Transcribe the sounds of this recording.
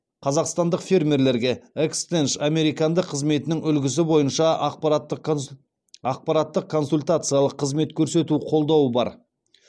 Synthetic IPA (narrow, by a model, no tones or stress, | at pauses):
qʰɑzɑqst̪ɑnd̪əqfʲe̞ɾmʲe̞ɾle̞ɾɡʲe̞ekst̪enʃame̞ɾijkɑnd̪əqʰːəzme̞t̪ɪnɪŋʏlɡʲɪs̬ɪbo̞jənʃɑɑqt̪ː | ɑq̚pɑɾat̪ːəqkʰːo̞nsulʲt̪at̪sɨjalˠəqʰːəzme̞t̪kʲʰɵɾse̞t̪uqʰo̞lˠd̪ɑwəbɑ̰ɾ